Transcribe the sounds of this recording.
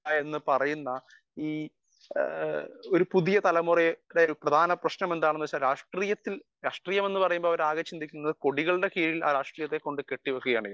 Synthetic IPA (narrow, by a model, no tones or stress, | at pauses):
e̞nːɨpɐrɐjunːɐ | iː | o̞ɾupuðijɐt̪ɐlɐmureɾejlprɐd̪ʱaːnɐprɐɕnɐme̞nd̪aːɳenːut͡ɕːaːlɾaːʂʈriːjɐt̪ːilɾaːʂʈriːjɐme̞nːɨpɐrɐjumboɭɐʋɐɾaːɣɐt͡ɕːind̪ikʲːunːɐðɨko̞ɽiɣɐɭɨɽe̞kiːɻila̰ːɾaːʂʈriːjɐt̪ːekːo̞ɳɖɨke̞ʈːiʋɐkːuɣɐjaːɳi